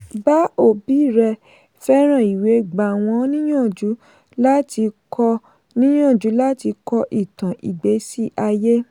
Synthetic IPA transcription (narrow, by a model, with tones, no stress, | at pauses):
ba˦o˦˨bi˨˦˨ɾɛ˧ | fɛ˦ɾ̃ã˦˨i˨we˨˦ɡ͡ba˨w̃ɔ̃˧˦nĩ˦j̃ã˦˨d͡ʒu˨˦ | la˦tʰi˧kʰɔ˧ | nĩ˦j̃ã˦˨d͡ʒu˨˦la˦ti˧kɔ˧ʔi˦˨tã˨ʔḭ˨ɡ͡be˨˦si˦ʔa˧je˦